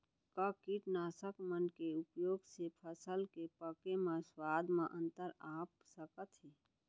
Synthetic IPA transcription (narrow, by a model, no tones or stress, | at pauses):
kakiʈnaːsəkmənkeʊpjoːɡsepʰəsəlkepəkemãswaːd̪ʱmãʔə̃nt̪əɾaːpsəkət̪ɦiː